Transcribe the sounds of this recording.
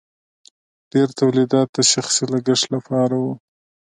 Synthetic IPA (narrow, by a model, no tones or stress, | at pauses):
ɖ̥eɾt̪awlid̪ɑt̪̚d̪əʃaxsilaɡaʂlapɑɾawu